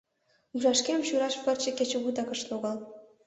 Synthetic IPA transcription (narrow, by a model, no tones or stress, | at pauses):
uʒɑʃkemɕuɾɑʃpə̆rt͡ɕĕket͡ɕĕβut̪ɑkə̆ʃloɣɑl